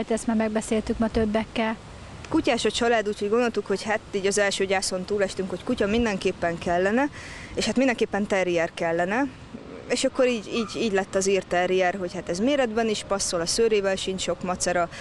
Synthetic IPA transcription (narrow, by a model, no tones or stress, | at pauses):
t̪ɛst̪maːɾmɛɡ̚bɛseːlt̪ykmɒt̪øbːɛkːɛl | tkucaːʃɒt͡ʃɒlaːd̪uːcho̞ɟɡo̞no̞lt̪ukho̞chat̪iːɟɒzɛlʃøːɟaːso̞nt̪uːlɛʃt̪yŋkho̞ckucɒmind̪ɛŋkeːpːɛŋkɛlːɛnɛ | eːʃhat̪mind̪ɛŋkeːpːɛnt̪ɛɾijɛrkɛlːɛnɛ | eːʃɒkːo̞ɾiːɟiːɟiːɟlɛt̪ːɒziːrt̪ɛɾijɛrɦo̞chat̪ɛzmeːɾɛd̪bɛniʃpɒsːolɒsøːɾeːvɛlʃiɲt͡ʃʃo̞kmɒt̪sɒɾɒ